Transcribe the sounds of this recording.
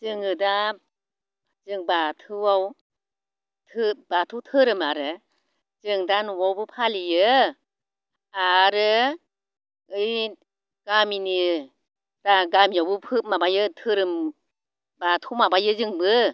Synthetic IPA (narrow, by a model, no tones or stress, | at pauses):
zɯŋɯda | zɯŋbatʰɯwaw | tʰɯb̥atʰutʰɯɾɯmaɾɯ | zɯŋdanuwawbɯpʰalijɯ | aɾɯ | ɯj | ɡ̥amini | ɾaɡamijawbɯpʰɯp̚mabajɯtʰɯɾɯm | batʰumabajɯzɯŋbɯ